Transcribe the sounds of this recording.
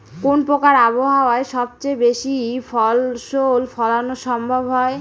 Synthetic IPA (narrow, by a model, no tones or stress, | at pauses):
konpɾokaɾaboɦaoaeʃɔb̚t͡ɕejbeʃifɔlʃolfʰɔlanoʃɔmbʱobɦɔe